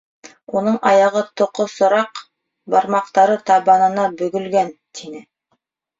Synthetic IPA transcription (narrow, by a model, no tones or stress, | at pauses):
unɤɴɑjɑʁɤt̪ʰŏqosŏɾɑq | bɑɾmɑqt̪ɑɾɤt̪ɑβɑnɤ̆nɑbɵ̆ɡɵ̆lɡænt̪ʰinɘ